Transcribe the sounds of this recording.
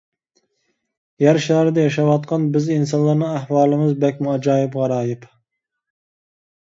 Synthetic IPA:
jæɾʃɑːɾɨd̪ɛjɑʃɑwɑt̪̚qʰɑnbɪzins̬ɑnlˠɑɾnɨŋæhwɑːlˠɨmɨzbɛkʲmʊɑd͡ʒɑːjɪpʁɑɾɑːjɪp

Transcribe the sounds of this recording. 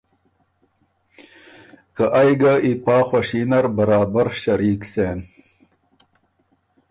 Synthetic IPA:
kaʔajɡaipɑːxwaʂinɐɾbɐɾɑːbaɾɕɐɾiːkseːn

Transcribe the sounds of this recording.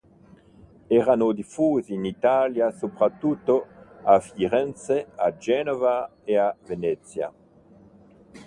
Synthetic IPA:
ɛɾanod̪ifuːziːnit̪aljasopɾat̪ːut̪ːoafiɾɛnt̪sead͡ʒɛnovaeavenɛt̪sja̰

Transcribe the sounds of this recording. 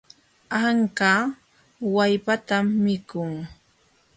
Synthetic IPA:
aŋkaː | wajpat̪amːɪkʊŋ

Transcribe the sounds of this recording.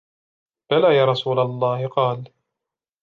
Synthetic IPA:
b̥alaːjaːɾˤɑsuːlalˤːɑːhɪqɑːl

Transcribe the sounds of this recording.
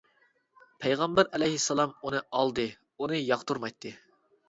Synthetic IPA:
pʰæjʁɑmbæɾɛlɛjhisːɑlˠɑmunɨɑlˠd̪ɨ | unɨjɑqt̪ʰuɾmɑjt̪ʰːɨ

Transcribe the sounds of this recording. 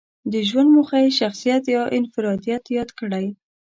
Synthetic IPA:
d̪əʒwand̪muxajʃaxsijat̪jɑʔɪnfɪɾɑd̪ijat̪jɑd̪kəɽaj

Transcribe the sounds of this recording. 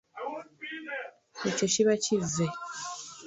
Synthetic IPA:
ececiβacive

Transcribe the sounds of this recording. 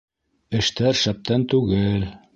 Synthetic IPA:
ɘ̆ʃt̪æɾʃæp̚t̪ʰænt̪ʉɡɘl

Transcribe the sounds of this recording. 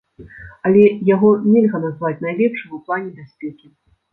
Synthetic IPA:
ɐlʲɛjaɣɔnʲɛlʲɣɐnazvat͡sʲnajlʲɛpʂɨmuplˠanʲɛbʲasʲpʲɛkʲi

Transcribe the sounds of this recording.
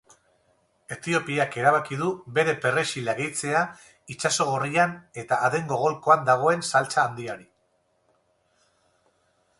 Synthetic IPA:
e̞t̪io̞piake̞ɾaβ̞akið̞uβe̞ɾe̞pe̞re̞ʃilaɣejt͡se̞a | it͡ʃaso̞ɣoriane̞t̪aːðe̞ŋɡo̞ɣ̞o̞lko̞and̪aɣ̞o̞e̞nsalt͡saːnd̪iaɾi

